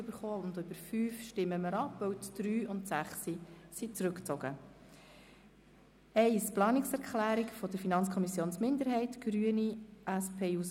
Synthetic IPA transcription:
b̥əɾχoːʊndʏb̥əɾfyːfʃtɪmːəməɾɑpvœwtd̥ɾyːʊntsæχsisit͡sɾʏkt͡sɔɡ̥ə | ɛɪsplɑːnɪksɛɾkʰχlæːɾikfɔdəɾfinɑnt͡skʰɔmisjoːnsmɪnd̪əɾɦɛɪtɡ̥ɾyːəniʔæspʰeːus

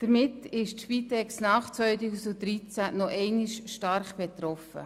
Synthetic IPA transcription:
d̥əɾmɪtɪʃtʃfiːt̪ɛksnɑːχt͡svœʏtuːsdud̪ɾit͡sænɔʔɛɪnɪʃʃtɑɾχb̥et̪rɔfə̰

